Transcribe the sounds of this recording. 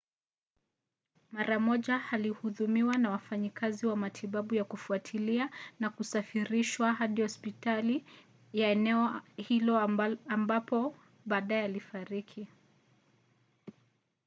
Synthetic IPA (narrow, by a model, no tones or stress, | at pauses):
maɾamɔʄahalihuðumiwanawafaɲikaziwamatʰiɓaɓujakufuatʰilianakusafiɾiʃwaɦaɗihɔspitali | jaɛnɛɔhilɔambapɔ | ɓaːɗaɛalifaɾikʰi